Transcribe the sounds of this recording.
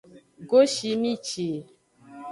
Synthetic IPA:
ɡo˦ʃi˧mi˦t͡ʃe˨

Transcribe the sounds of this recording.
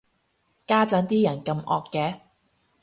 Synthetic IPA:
kaː˥t͡sɐ˨˥nt̪iː˥jɐ˨˩nkɐ˧mʔɔː˧kːɛː˨˧

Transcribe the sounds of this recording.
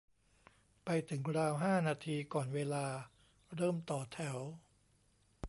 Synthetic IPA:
pa˧jt̪ʰɯ˩˦ŋɾaː˧wɦaː˥˩naː˧t̪ʰiː˧kɔː˨˩nweː˧laː˧ | ɾɤː˥˩mt̪ɔː˨˩t̪ʰɛ˩˦w

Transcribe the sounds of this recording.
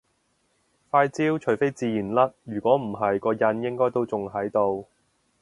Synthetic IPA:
faː˧jt͡siː˥wt͡ʃʰɵ˨˩fe˥jt͡siː˧jiː˨˩nlɐ˥t̚jyː˨˩kʷɔː˨˥m̩˨˩ɦɐ˨jkɔː˧jɐ˧njɪ˥ŋkɔː˥jt̪o˥wt͡sʊ˨ŋɦɐ˨˥jt̪o˧w

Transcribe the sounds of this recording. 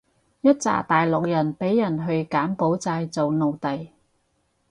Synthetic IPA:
jɐ˥t̚t͡sa̰ː˨˩t̪aː˨jlʊ˨k̚jɐ˨˩npe˨˥jːɐ˨˩nɦɵ˧ɥkaː˨˥mpo˨˥wt͡saː˧jt͡so˨wno˨wt̪ɐ˨j

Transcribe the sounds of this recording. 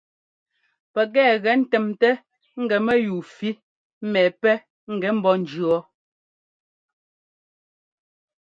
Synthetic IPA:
pɛ˨ɡ̬ɛː˦˨ɣɛ˨n̩˦tɛ˨mtɛ˦ | ŋ̩˦ɡɛ˨mɛ˦juː˨fi˦ | mɛː˨pɛ˦ | ŋ̩˦˨ɡɛ˨˦m̩˦bɔ˦n̩˨d͡ʒɰɔ˨˦

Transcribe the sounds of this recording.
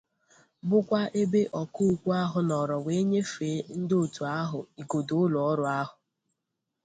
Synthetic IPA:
bʊ˦kʷa˦ʔe˦be˦ʔɔ˨kʊ˦u˨kʷu˦a˦ɦʊ˨˦nɔ˨ɾɔ˨we˨˦e˦ɲe˦fe˨˦n̩˦do˨tu˨a˦ɦʊ˨i˨ɡo˨do˨ʊ˦lʊ˨ɔ˦ɾʊ˨˦a˦ɦʊ˨

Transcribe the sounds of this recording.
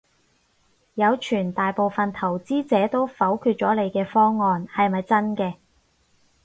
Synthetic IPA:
jɐ˨˧wt͡ʃʰyː˨˩nt̪aː˨jpo˨˧wfɐ˨nt̪ʰɐ˨˩wt͡siː˥t͡sɛː˨˥t̪o˥wfɐ˨˥wkʰyː˧t̚t͡ʃɔː˨˥le˨˧jkɛː˧fɔː˥ŋːɔː˧nhɐ˨jmɐ˨jt͡sɐ˥nkɛː˧

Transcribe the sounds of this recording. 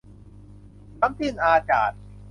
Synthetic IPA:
ba˦˥ŋt̪ʰɯ˥˩ŋʔaː˧ka̰ː˨˩t̪̚

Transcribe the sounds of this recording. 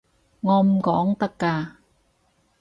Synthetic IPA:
ŋɔː˧m̩˨˩kɔː˨˥ŋt̪ɐ˥kːaː˧

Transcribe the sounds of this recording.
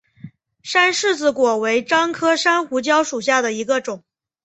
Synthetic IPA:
ʂa˥nʂɻ̩˥˩t͡sɹ̩˩kwɔ˨˩we˧˥ɪʈ͡ʂɑ˥ŋkʰɤ˥ʂa˥nxu˧˥t͡ɕjɑ˥ʊʂu˨˩ɕja˥˩d̪ə˩i˧˥ɡə˧ʈ͡ʂʊ˨˩˦ŋ

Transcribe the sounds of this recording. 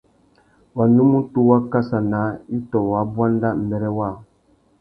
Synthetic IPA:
wa˨nu˦mu˦tu˦wa˦ka˦sa˨na˨˦i˦tɔ˨wa˨˦bwa˦n˦da˦m̩˨bɛ˨ɾɛ˦wa˦˨

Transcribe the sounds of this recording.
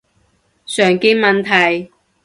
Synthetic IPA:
sœː˨˩ŋki˧˥ŋmɐ˨nt̪ʰɐ˨˩j

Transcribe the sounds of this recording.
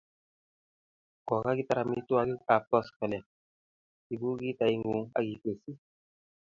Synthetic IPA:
kɔ˨ka˦ɡi˦ta˦ɾa˧mi˧tu˦a˧ɡi˦a˨pɔ˦skɛ˨lɛ˨ | i˨bu˦ɡi˦ta˧i˦ŋɡu˨˦ŋa̰˦ɡi˨ke˨si˦

